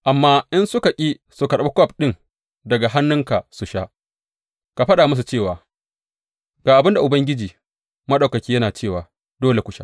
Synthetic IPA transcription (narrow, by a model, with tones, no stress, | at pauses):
ʔa˨mːaː˦ʔɪ˦nsʊ˦ka˨kʲʼiː˦ | su˨ka˨ɗɐ˦ba˦kʷɔ˦˨p̚ɗɪ˦ŋ | dɐ˨ɡa˨ɦa˦nːʊ˦ŋka˨su˨ʃa˦ʔ | ka˨ɸɐ˦ɗaː˨mʊ˦s̬u˨t͡ʃeː˦˨waː˨ | ɡ̥aː˨ʔa˨bɪ˦nda˨ʔʊ˨bɐ˦ŋɡʲɪ˦d͡ʒiː˨ | mɐ˦ɗa˨kɐ˨kʲiː˦jɐ˦naː˨t͡ʃeː˦˨waː˨ | doː˦le˨kʷʊ˦ʃa̰˦